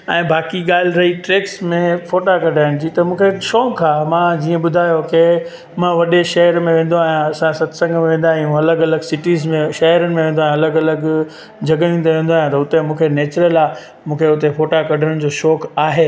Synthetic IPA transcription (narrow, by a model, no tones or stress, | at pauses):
ɛ̃ːbaːkiɠaːl̤ɪɾɐɦiʈɾeːksmẽfoːʈakɐɖʱaːɪñd͡ʑiːt̪ɐmũːkʰeʃɔːkʰaːmãd͡ʑiːẽɓʊd̪ʱaːjoke | mãʋɐɗeʃɐɦəɾmẽʋẽːn̆d̪oaːɦjũɐsãsɐt̪sɐ̃ŋɡmẽʋẽːnd̪aːɦj̃ɐləɡɐləɡsɪʈiːzmẽʃɐɦəɾənɪ̆mẽʋẽːnd̪oaːɦɐləɡɐləɡ | d͡ʑʱɐɡəʋẽːnd̪eʋẽːnd̪oaːjãt̪ɐʊt̪emũːkʰeneːt͡ɕɾəla | mũːkʰeʊt̪efoːʈakɐɖʱəɽ̃ɽ̃ɪ̆d͡ʑoːʃɔːkaːɦeː